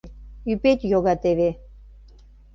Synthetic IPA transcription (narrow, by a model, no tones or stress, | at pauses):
ypet̪joɣɑt̪eβe